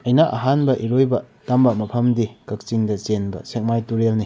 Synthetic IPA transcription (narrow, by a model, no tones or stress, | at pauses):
ɐjnaʔɐ̰ɦanbɐʔiɾojbɐ | tambɐmɐpʰɐmdikɐk̚t͡ʃiŋdɐt͡ʃenbɐ̰sek̚majtuɾelni